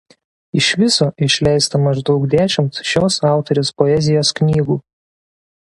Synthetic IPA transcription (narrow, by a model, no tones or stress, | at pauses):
ɪʃʲʋʲɪsoːʔɪʃʲlʲɛɪst̪ɐmɐʒd̪ɒʊkd̪ʲæːʃʲɪmt̪ʃʲoːsɑˑʊt̪ɔɾʲʊspɔɛzʲɪjoːsknʲiːɡuː